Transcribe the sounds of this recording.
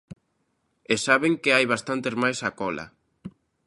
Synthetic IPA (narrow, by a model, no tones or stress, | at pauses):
esaβeŋkeajβast̪ant̪ezmajsakɔla̰